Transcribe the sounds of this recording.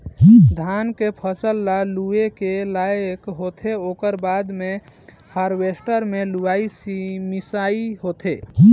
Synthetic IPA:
d̪ʱankepʰəsəlːaluekelajkɦot̪ʰeokəɾbad̪me | haɾbesʈəɾmeluaisimisaiɦot̪ʰe

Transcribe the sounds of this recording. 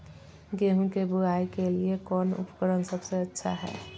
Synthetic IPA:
ɡeɦũkebuaikeliekɔːnṵpə̥kəɾənsəbseətːʃʰa̰ɦɛ̰ː

